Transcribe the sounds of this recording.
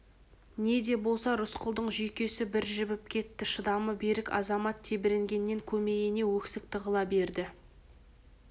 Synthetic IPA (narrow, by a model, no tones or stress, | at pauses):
ne̞d̪e̞bo̞lˠsɑɾʊsqʰəlˠd̪əɴʒijkʲe̞sɪbɪɾʒɪbɪp̚kʲʰe̞t̪ːɪʃəd̪ɑməbe̞ɾɪkɑ̰zɑmɑt̪ʰːe̞bɪɾeŋɡʲe̞nːe̞ŋkʲʰɵme̞jene̞wɵksɪk̚t̪ʰəʁəlˠɑbe̞ɾd̪ɪ